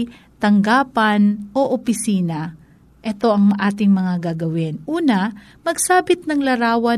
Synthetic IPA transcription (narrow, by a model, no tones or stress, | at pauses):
t̪ɐŋɡaːpɐnʔo̞ʔopɪsiːnɐ | ʔɛt̪o̞ʔɐŋʔaːt̪ɪŋmɐŋaɡaɡɐwɪnʔuːnɐ | mɐɡsaːbɪt̪̚nɐŋlɐɾaːwɐ